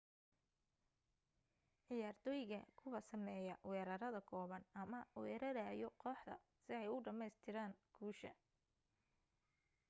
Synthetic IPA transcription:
ʕɪjaːrt̪ʰɔːjɣɐkʰʊwɐsɐmɛːjɐwɛːɾɐɾɐðɐkʰɔːβɐnɐmɐwɛːɾɐɾaːjɔqɔːħd̪ɐ̰ | sɪɛjʊɖɐmɛjst̪ʰɪɾaːŋɡ̥uːʃɐ

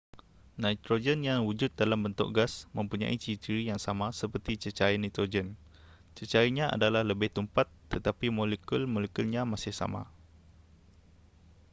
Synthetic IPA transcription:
nãjt̪ɾod͡ʒənjãwud͡ʒʊt̪̚dalambənt̪ʊ̰k̚ɡasmə̃mpuɲa̰ʔit͡ʃit̪iɾijaŋsamãsəpərt̪it͡ʃət͡ʃajnat̪ɾod͡ʒən | t͡ʃət͡ʃaiɲãʔa̰dalahləbɪht̪əmpat̪ːət̪apimolekulmolekulɲãmasɪhsa̰ma̰

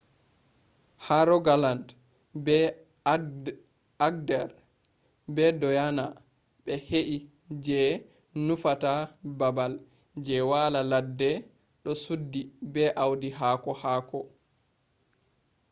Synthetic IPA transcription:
haɾɔɡaland | bɛ | aɡ̚dɛɾ | bɛdɔjana | ɓɛheʔi | d͡ʒɛ | nufatababal | d͡ʒɛwalaladːɛ | ɗɔsudːibɛʔawdiɦaːkɔhaːkɔ

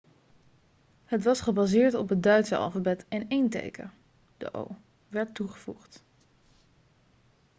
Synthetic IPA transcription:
hətʋɑsχəbazɪːɹtɔpɦət̚dœɥtsəɑ̰lˠfəbɛtɪnejntḛjkə̰ | d̥ə̰ʔo̰w | ʋɛɹtːuχəvṵχt

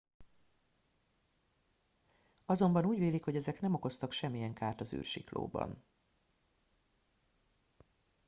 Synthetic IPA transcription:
ɒzo̞mbɒnuːɟveːlikho̞ɟɛzɛknɛmo̞ko̞st̪ɒkʃɛmːijɛŋkaːrt̪ɒzy̰ːrʃḭklo̰ːbɒ̰n

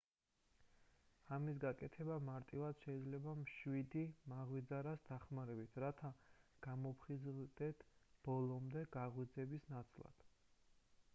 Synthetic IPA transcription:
amis̬ɡakʼɛt̪ʰɛbamaɾt̪ʼivad̪̥ʃɛid̪zlɛbamʃwid̪imaʁwid̪zaɾasd̪aχmaɾɛbit̪ʰɾat̪ʰaɡ̥amɔpʰχizd̪̥ɛt̪ʰb̥ɔlˠɔmd̪ɛɡ̥aʁwid̪zɛbisnat̪sʰʼlˠa̰d̪̥

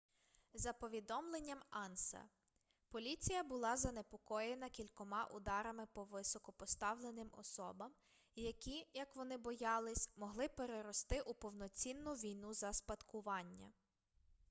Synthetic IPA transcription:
zɐpɔʋʲid̪ɔmlˠenʲːɐmɑnsɐ̰ | pɔlʲit͡sʲijɐbʊlˠɑzɐne̞pɔkɔjenɐkʲilʲkɔmɑʔʊd̪ɑɾɐmɪpɔʋɪsɔkɔpɔst̪ɑwlˠenɪmɔ̰sɔbɐm | jɐkʲijɐkʋɔnɪbɔjɑlˠɪsʲmɔɦlˠɪpeɾeɾɔst̪ɪʔupɔwnɔt͡sʲinːʊʋʲijnuzɐspɐt̪kʊʋɑnʲːɐ̰

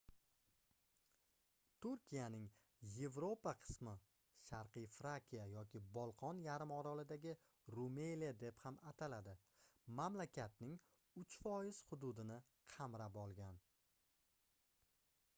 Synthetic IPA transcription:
t̪ʰʊɾkʲʰijanɪŋ | je̞vɾo̞paqʰɨ̥smɪ | ʃaɾqɨjfɾakʲʰijajɒkʲɪbɒlˠqʰɒnjaɾɪmɒɾɒlɪd̪aɡʲɪ | ɾumelijad̪e̞phamat̪ʰalad̪ɪ | mamlakʲʰat̪̚nɪŋ | ʊt͡ʃfɒjɪz̥hʊd̪ʊd̪ɪnɪ | qʰamɾapɒlˠɡʲan

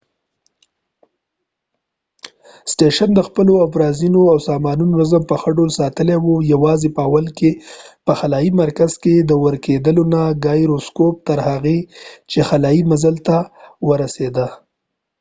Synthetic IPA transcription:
sʈeʃand̪əxpəloafɾɑzinoawsɑmɑnunonazəmpəxəɖolsɑt̪əlewojawɑzepəawəlkepəxalɑjimaɾkaz̥ked̪əwəɾked̪əlonaɡɑjɾoskop̚t̪əɾhaɣet͡ʃexalɑjimazəlt̪awəɾased̪ə

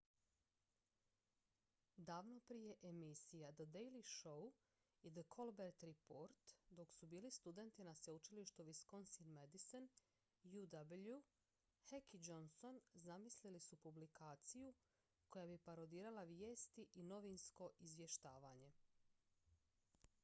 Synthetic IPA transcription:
d̪aːʋno̞pɾije̞ʔemisijad̪əd̪ejliʃo̞w | id̪əkʰo̞lbeɾt̪ɾipoɾt̪d̪o̞ksubiːlist̪ud̪e̞nt̪inaseut͡ʃiliʃt̪uʋiskonsinmed̪isen | jud̪ablu | hekid͡ʒo̞nso̞nzamislilisupublikʰaːt̪siju | ko̞jabipaɾod̪iːɾalˠaʋje̞ːst̪iʔino̞ʋinsko̞ʔizʋje̞ʃt̪aːʋaːɲe̞

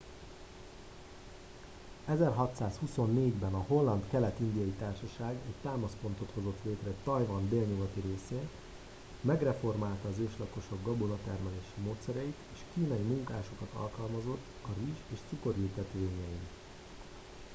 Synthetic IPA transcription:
ɛzɛrɦɒt̪saːshuso̞nːeːɟbɛnɒɦo̞lːɒnt̪kɛlɛt̪ind̪ijɒjit̪aːrʃɒʃaːɡɛct̪aːmɒspo̞nt̪o̞t̪ho̞zo̞t̪leːt̪rɛt̪ɒjvɒnd̪eːlɲuɡɒt̪iɾeːseːn | mɛɡrɛfo̞rmaːlt̪ɒːzeːʃlɒko̞ʃo̞ɡːɒbonɒt̪ɛrmɛleːʃimoːt̪sɛɾɛjit̪eːʃkiːnɒjimuŋkaːʃo̞kɒt̪ɒ̰lkɒlmɒzo̞t̪ːɒriʒeːʃt̪suko̞riːt̪ɛt̪ʋeːɲɛjin

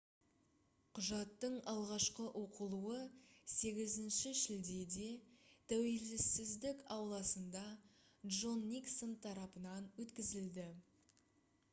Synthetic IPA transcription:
qʰʊʒɑt̪ːəɴɑlˠʁɑʃqəʔwo̞qəlˠuəse̞ɡʲɪzɪnʃɪʒɪld̪e̞d̪e̞t̪ʰæwe̞lɪsːɪzd̪ɪkɑwlˠɑsənd̪ɑ | dʒo̞nːiksənt̪ʰɑɾɑpənɑnwɵt̪kʲɪzɪld̪ɪ

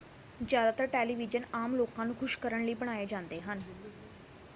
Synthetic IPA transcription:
d͡ʑad̪at̪əɾʈeliʋid͡ʑənamlokãnũkʰʊɕkəɾəɳliːbəɳ̃ajed͡ʑãnd̪eɦan

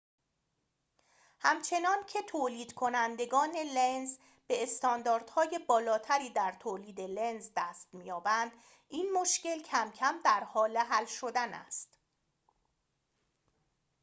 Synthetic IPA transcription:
hæmt͡ʃʰe̞nɒːncʰe̞t̪ʰoːliːd̪̥kʰo̞nænd̪e̞ɡɒːne̞lenz | be̞ːst̪ɒːnd̪ɒːɾd̪̥hɒːje̞bɒːlɒːt̪ʰæɾiːd̪æɾt̪ʰoːliːd̪e̞lenzd̪æːst̪mijɒːbænd̪̥ | iːnmoʃce̞lcʰæmcʰæmd̪æɾhɒːle̞ɦælʃo̞d̪ænæ̰st̪

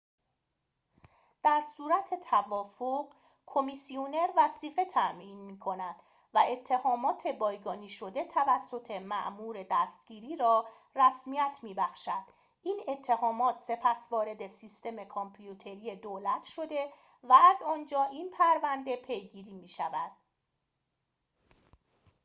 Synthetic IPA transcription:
d̪̥æɾsuːɾæt̪ʰe̞t̪ʰævɒːfoʁ | kʰo̞misione̞ɾvæsiːɣe̞t̪ʰæʔmʔiːnmiːkʰo̞næd̪̥ | væe̞t̪ʰːe̞hɒːmɒːt̪ʰe̞bɒːjɡɒːniːʃo̞d̪e̞t̪ʰævæsːo̞t̪ʰe̞mæ̰ʔmuːɾe̞d̪æst̪ɟ̥iːɾiːɾɒː | ræsmijæt̪ʰmiːbæxʃæd̪̥ | iːne̞t̪ʰːe̞hɒːmɒːt̪ʰse̞pʰæsvɒːɾe̞d̪e̞siːst̪e̞me̞kʰompʰjut̪ʰe̞ɾije̞d̪olæt̪ʰʃo̞d̪e̞ | væːzɒːnd͡ʒɒːʔiːnpʰæɾvænd̪e̞pʰe̞jɡiːɾiːmiːʃævæd̪̥

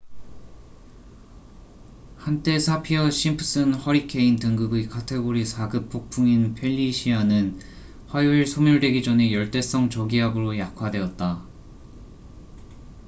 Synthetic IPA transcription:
hant͈e̞sʰapʰiʌɕʰimpʰɯ̥s͈ɯnhʌɾikʰe̞intɯŋɡɯɡɯikʰatʰe̞ɡoɾisʰaɡɯp͈̚ʰːok̚pʰuŋinpʰe̞ʎːiɕʰianɯn | ɸwajuiɭsʰomjuɭde̞ɡid͡ʑʌne̞jʌɭt͈e̞s͈ʌŋt͡ɕʌɡiɦaɡɯɾojakʰwadwe̞ʌt̚t͈a

